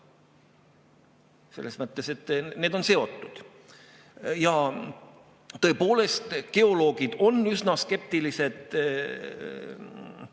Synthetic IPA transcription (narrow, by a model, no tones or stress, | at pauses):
se̞lːe̞smɤt̪ˑːe̞se̞t̪ːne̞ːd̪o̞nse̞o̞t̪ːˑud̪̥ | jɑ | t̪ɤ̞e̞po̞ːle̞st̪ke̞o̞lo̞ːɡ̥id̪̥o̞nːysnɑske̞p̚t̪ilise̞d̪̥